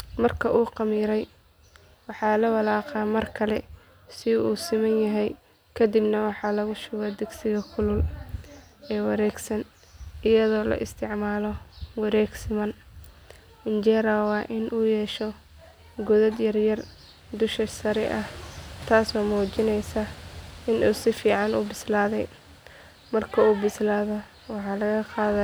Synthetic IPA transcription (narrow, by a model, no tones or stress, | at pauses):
mɐrkʰɐʔuːqɑmiːɾɛj | wɑħɑːlɐwɑlɑːqɑːmɐrkʰɐlɛ | sɪuːsɪmɐnjɐɦɛj | kʰɐd̪ɪbnɐwɑħɑːlɐɣʊʃʊɣaːd̪ɪɡsɪɣɐkʰʊlʊl | ɛːwɑɾɛːɡsɐn | ɪjɐðɔːlɐ̰ʔɪst̪ʰɪʕmaːlɔwɑɾɛːɡsɪmɐn | ɪnt͡ʃɛːɾɐwɑːʔɪnʔuːjɛʃɔ | ɡʊðɐd̪jɐrjɐr | d̪ʊʃɐsɐɾɛ̰ʔɐht̪ʰaːsɔːmuːt͡ʃɪnɛjsaɪnʔusɪfiːʕɑnṵbɪslaːðɛj | mɐrkʰɐuːbɪslaːðɔ | wɑħɑːlɐɣɐqɑːðɐ